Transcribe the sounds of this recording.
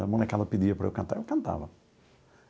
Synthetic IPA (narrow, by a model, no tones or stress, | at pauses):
ɐmɐ̃nɐkɛlɐpid̪iɐpɾɐewkɐ̃nt̪aɾewkɐ̃nt̪a̰vɐ